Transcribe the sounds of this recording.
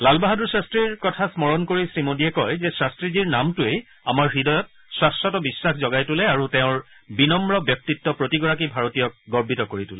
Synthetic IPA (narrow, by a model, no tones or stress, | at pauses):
lalbaɦaduɹsastɹiɹkɔtʰasmɔɹɔnkoɹisɹimodiɛkɔjzɛsastɹiziɹnamtʊej | amaɹxidɔjɔt̚ | swastɔtɔbisːaxʰzɔɡajtulɛaɹuteʊ̃ɹ | binɔmɹɔbjɔk̚titːɔpɹotiɡɔɹak̬ibʱaɹotijɔk̚ɡɔɹbʱitɔkoɹitʊlɛ